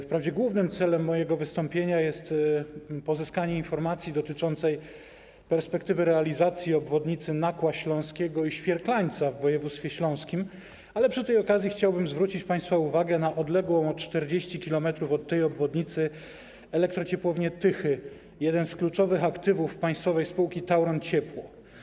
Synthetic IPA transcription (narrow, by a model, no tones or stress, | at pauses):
fpɾavd͡ʑɛɡwuvnɘmt̪sɛlɛmːɔjɛɡɔvɘst̪ɔmpʲjeɲajɛst̪ | pɔzɘskaɲɛinfɔɾmat̪sʲjid̪ɔt̪ɘt͡ʂɔnt̪sɛj | pɛɾspɛkt̪ɘvɘɾɛalʲizat̪sʲjiɔbvɔd̪ɲit̪sɘnakwaɕlɔ̃w̃skʲɛɡɔiɕfʲjɛɾklaɲt̪savːɔjɛvut̪st̪fʲjɛɕlɔ̃w̃skʲim | alɛpʂɨt̪ɛjɔkazʲjixt͡ɕawbɘmzvɾut͡ɕit͡ɕpaj̃st̪fauvaɡɛnaʔɔd̪lɛɡwɔ̃w̃ɔtt͡ʂt̪ɛɾd͡ʑeɕt͡ɕikʲilɔmɛt̪ɾufɔt̪ːɛjɔbvɔd̪ɲit̪sɘ | ɛlɛk̚t̪ɾɔt͡ɕɛpwɔvɲɛt̪ɘxɘ | jɛd̪ɛnsklut͡ʂɔvɘxakt̪ɘvufpaj̃st̪fɔvɛjspuwkʲit̪awɾɔnt͡ɕɛpwɔ